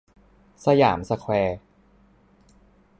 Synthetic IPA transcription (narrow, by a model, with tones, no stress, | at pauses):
sa˧ja̰ː˩˦msa˧kʰwɛː˧